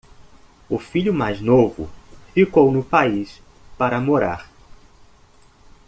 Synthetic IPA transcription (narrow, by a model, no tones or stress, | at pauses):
ʊfiʎʊmajznovʊ̰fikownʊpais | paɾɐmoɾa̰ɾ